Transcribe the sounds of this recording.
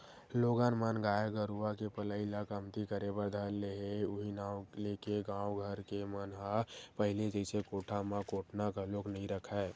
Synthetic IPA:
loːɡanmənɡaːeɡəɾuakepələɪlakəmt̪ikəɾebəɾd̪ʱaːeɦeʊɦinaːwleːkeɡãːwɡʱəɾkemənɦapəɦɪled͡ʒəɪsekoːʈʰamãkoːʈʰnakaloːknəɦĩɾəkʰɛː

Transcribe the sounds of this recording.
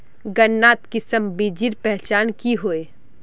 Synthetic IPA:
ɡɐnːaːt̪kɪsəmbid͡ʒiɾpɛɦt͡ʃaːnkiɦoeː

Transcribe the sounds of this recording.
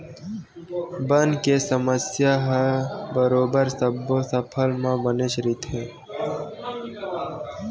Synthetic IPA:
bənkesəməsjaɦbəɾoːbəɾsəbːosəpʰəlmãbəneʃɾiːt̪ɦɛː

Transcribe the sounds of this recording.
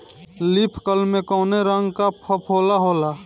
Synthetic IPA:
lipʰkəlmẽkɔːneɾəŋɡkapʰəpʰɦoːlaɦoːla

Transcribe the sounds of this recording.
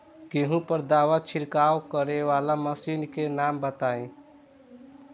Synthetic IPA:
keɦũpəɾd̪aːʋət͡ʃʰɪɾkaːwkəɾeʋaːlaməsiːnkenaːmbət̪aːẽ

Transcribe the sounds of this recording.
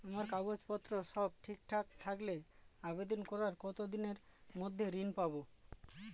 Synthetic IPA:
amaɾkaɡod͡ʑpɔt̪ːɾoʃɔb̚ʈʰikʈʰakt̪ʰakleabed̪onkɔɾaɾkɔt̪od̪ineɾmod̪ʱːeɾinpabo

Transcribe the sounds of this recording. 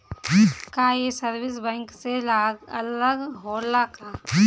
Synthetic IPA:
kajesəɾwɪsbɛ̃ːŋkselaɡələɡɦoːlakaː

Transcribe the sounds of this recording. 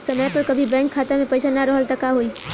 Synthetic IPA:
sɐməjpɐɾkɐbʱibɛ̃ːŋkʰːaːt̪emẽpɐjʃanaɾɔɦəlt̪ɐkaɦoiː

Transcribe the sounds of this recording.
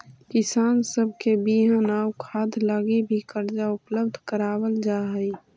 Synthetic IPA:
kɪsaːnsəb̚ʱkebiɦənaːukʰaːd̪laːɡebʱikəɾd͡ʒaʊpləbd̪ʱkəɾaːwəld͡ʒaːɦəi

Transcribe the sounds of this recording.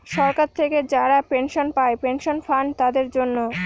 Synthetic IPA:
ʃɔɾkaɾt̪ʰeked͡ʑaɾapenʃonpaepenʃonfant̪ad̪eɾd͡ʑonːo

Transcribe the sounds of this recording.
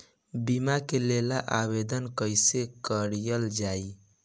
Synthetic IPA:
bimakelelaʔabed̪ənkəjsekəɾjəld͡ʒai

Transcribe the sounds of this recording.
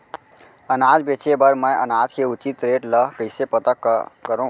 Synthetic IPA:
ənad͡ʒbet͡ʃebəɾməjənad͡ʒkʰeut͡ʃit̪ɾeʈləkəɪsepət̪əkːkəɾũ

